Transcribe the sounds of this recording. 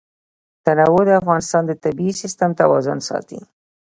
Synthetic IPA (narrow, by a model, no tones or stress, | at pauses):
t̪anawod̪əafɣɑnɪst̪ɑnd̪ət̪abiisɪst̪amt̪awɑzʊnsɑ̰t̪ḭ